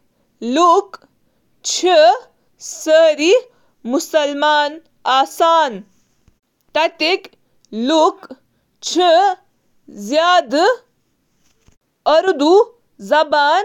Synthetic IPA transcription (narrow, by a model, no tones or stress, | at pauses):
luk | t͡ʃʰi | səɾi | musɐlmaːn | aːsaːn | t̪ɐt̪ek | luk | t͡ʃʰi | zjaːd̪ | ɐɾd̪u | zɐbaːn